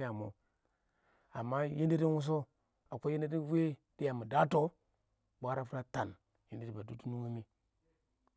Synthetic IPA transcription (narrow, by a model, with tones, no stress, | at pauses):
ja˨mo̰˨ | a˨mːa˦je˦ndi˦di˦wu˦s̬o˦ | a˨ko˦je˦ndi˦di˦we˦di˦ja˨mu˨da˦to˦ | bʷa˦ɾa˦fu˦ɾa˦ta˨n | je˦ndi˦di˦˨ba˨du˦tu˦nu˦ŋi˦mi˦